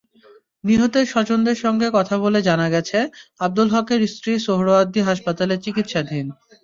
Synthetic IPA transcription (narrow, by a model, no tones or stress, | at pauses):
niɦot̪eɾʃɔt͡ɕond̪eɾʃɔŋɡekɔt̪ʰaβoled͡ʑanaɡɛt͡ɕʰeab̚d̪ulɦɔkeɾistɾiʃoɦɾoad̪ːiɦaʃpat̪aleɾt͡ɕikit̪ʃad̪ʱin